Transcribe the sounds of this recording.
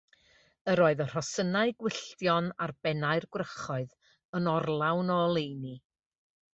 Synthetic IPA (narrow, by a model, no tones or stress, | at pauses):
əɾoːɨðər̥ɔsənaɨɡwɪɬtjɔnarbɛnaɨrɡwrəχɔɨð | ənɔrlˠawnɔlˠejni